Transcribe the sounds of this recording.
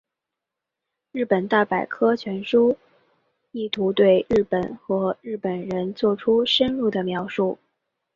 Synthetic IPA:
ɻɻ̩˥˩pə˨˩nt̪a˥˩pa˨˩ɪkʰɤ˥t͡ɕʰɥɛ˧˥nʂu˥ | i˥˩t̪ʰu˧˥t̪we˥˧ɪɻɻ̩˥˩pə˨˩nxɤ˧˥ɻɻ̩˥˩pə˨˩nɻə˧˥nt͡swɔ˥˩ʈ͡ʂʰu˥ʂə˥nɻu˥˩d̪ə˩mjɑ˧˥ʊʂu˥˩

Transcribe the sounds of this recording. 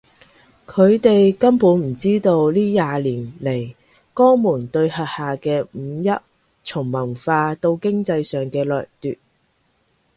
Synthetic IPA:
kʰɵ˨˧ɥt̪e˨jkɐ˥mpuː˨˥nm̩˨˩t͡siː˥t̪o˧wliː˥jaː˧liː˨˩nle˨˩j | kɔː˥muː˨˩nt̪ɵ˧ɥhɐ˨t̚haː˨kɛː˧m̩˨˧jɐ˥t̚ | t͡sʰʊ˨˩ŋmɐ˨˩nfaː˧t̪o˧wkɪ˥ŋt͡sɐ˧jsœː˨ŋkɛː˧lœː˨k̚t̪y̰ː˨t̚

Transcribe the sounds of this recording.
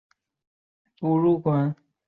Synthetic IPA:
tu˨ɻu˥˩kwa˧˥˦n

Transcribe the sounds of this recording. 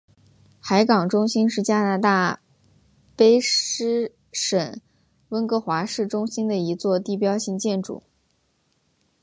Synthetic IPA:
xa˧˥ɪkɑ˨˩ŋʈ͡ʂʊ˥ŋɕi˥nʂɻ̩˥˩t͡ɕja˥na˥˧t̪a˥˩ | pe˥ɪʂɻ̩˥ | ʂə˨˩˦ŋ | wə˥nkɤ˧˥xwa˧˥ʂɻ̩˥˩ʈ͡ʂʊ˥ŋɕi˥nd̪ə˨i˧˥t͡swɔ˥˧t̪i˥˩pjɑ˥ʊɕi˥˧ŋt͡ɕjɛ˥˩nʈ͡ʂṵ˨˩˦

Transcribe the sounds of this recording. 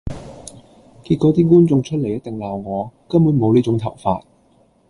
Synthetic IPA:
kiː˧t̚kɔː˨˧t̪iː˥kuː˥nt͡sʊ˧ŋt͡ʃʰɵ˥t̚le˨˩jɐ˥t̚t̪ɪ˨ŋlaː˨wŋɔː˨˧kɐ˥mːuː˨˥nmo˨˧wliː˥t͡ʃʊ˨˥ŋt̪ʰɐ˨˩wfa̰ː˧t̚

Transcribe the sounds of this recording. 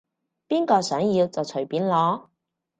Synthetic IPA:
piː˥nkɔː˧sœː˨˥ŋjiː˧wt͡sɐ˨wt͡sʰɵ˨˩ɥpiː˨˥nlɔː˨˥

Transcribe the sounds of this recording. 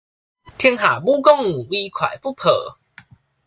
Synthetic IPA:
t̪ʰi˧əŋɦa˨˩bu˦kɔ˥˨ŋu˨˩wi˧kʰwa̰˨˩jpu˥˨pʰə˨˩˦

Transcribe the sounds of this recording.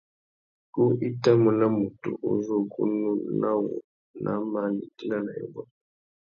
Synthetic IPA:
ku˦i˦ta˦mu˨na˦mu˨tṵ˨ʔo˦zo˦˨ɡu˦nu˦na˦wɔ̰˨ | nʔa̰˦ma˦ni˨ti˦la˦na˨jɔ̰˨bɔ˦

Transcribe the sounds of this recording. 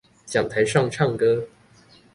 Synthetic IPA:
t͡ɕjɑ˨˩ŋt̪ʰa˧˥ɪʂɑ˥˧ŋʈ͡ʂʰɑ˥˩ŋkɤ˥

